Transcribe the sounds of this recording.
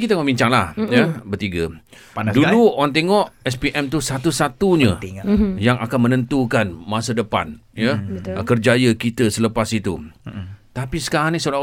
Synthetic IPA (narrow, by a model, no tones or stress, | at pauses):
kit̪əŋɔʔbiɲt͡ʃaŋlahjabərt̪iɡa | duluɔnt̪ɛŋɔʔɛspiʔɛmt̪usat̪usat̪uɲãjaŋʔa̰kanmənə̃nt̪ukanmãsədəpa̰njakərd͡ʒajəkit̪əsələpasit̪ṵ | t̪apisə̥kaɾaŋnisuɾa